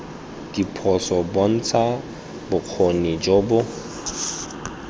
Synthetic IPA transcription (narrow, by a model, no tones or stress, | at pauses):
dipʰɔsɔbɔn̩t͡sʰa | bʊq͡χʰonid͡ʒobʊ